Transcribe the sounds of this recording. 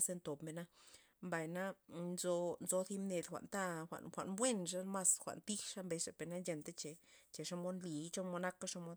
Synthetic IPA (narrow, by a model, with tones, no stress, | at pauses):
se˧nt̪o˨pme˨na˦ | mba˨jna˦nzo˧nzo˧θi˧mne˧d̪xʷa̰˨ʔnt̪a˦xʷa̰˨nxʷa̰˨ʔnbwe˦˨nʂ̬a˦ma˦sxʷa̰˨nt̪i˦ʂa˦mbe˧ʂe˨pe˨na˦nd͡ʒe˧nt̪e˦t͡ʃe˨t͡ʃe˨ʂa˦mo˦nli˨˦t͡ʃo˦mo˧na˦ka˦ʂa˧mo˦d̪